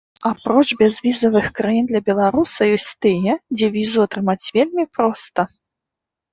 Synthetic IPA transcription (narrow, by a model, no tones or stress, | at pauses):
apɾɔt͡ʂbʲɛzvʲizɐvɨxkɾajind̪lʲɐbʲɛlˠaɾusɐjɔsʲt͡sʲt̪ɨjɛd͡zʲɛvʲizuat̪ɾɨmat͡sʲvʲelʲmʲipɾɔst̪ɐ